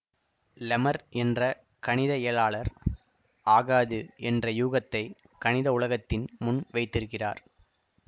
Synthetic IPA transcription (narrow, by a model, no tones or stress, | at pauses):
lɐmɐɾʔɛndrɐ | kɐnɪðɐɛjɐlaːɭɐɾ | ʔaːɣaːðɯʔɛndrɐjuːɣɐt̪ːɐɪ | kɐnɪðɐʊɭɐɣɐt̪ːɪnmʊnʋɐɪt̪ːɪɾɯkːɪra̰ːɾ